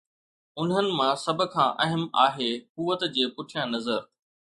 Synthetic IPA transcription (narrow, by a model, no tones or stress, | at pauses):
ʊn̤ɦənɪ̆mãːsɐbʱʊ̆kʰãːʔɐɦəmaːɦeːkuːʋət̪d͡ʑeːpʊʈʰijãnɐzəɾ